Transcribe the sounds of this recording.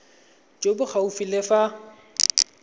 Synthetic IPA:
t͡ʃʼobʊk͡xʰaufilefa

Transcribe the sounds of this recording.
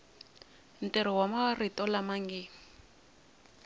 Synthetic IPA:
n̩tʼɛɾɔwamaritʼɔlamaŋɡi

